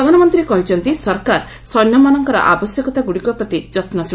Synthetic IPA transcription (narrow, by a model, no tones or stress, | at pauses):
ɾɔd̪ʱanɔmɔnt̪ɾiekɔɦit͡ʃʰɔnt̪isɔɾkaɾ | sɔjnjɔmanɔŋkɔɾɔ̰ʔabɔsjɔkɔt̪aɡuɽikɔpɾɔt̪id͡ʒɔt̪nɔsʰ